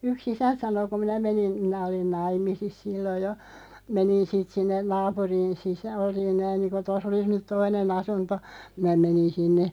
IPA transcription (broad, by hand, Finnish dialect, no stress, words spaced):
yks isænt̆ sɑno ku minæ menin minæ olin nɑimˑisis silːoj jo menin siːt sinːen nɑːpuriːn sisæ̥ olin næin niːnku tos olis nyt toinen ɑsunto minæ menin sinːe